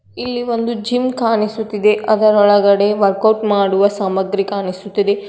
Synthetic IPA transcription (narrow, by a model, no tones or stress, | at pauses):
ilːiʋond̪ud͡ʒimkaːnisut̪ːid̪eɐd̪ɐɾɔɭɐɡɐɽe̞ʋɐɾkɐwʈmaːɽuʋɐsɐmɐɡɾikaːnisut̪ːid̪e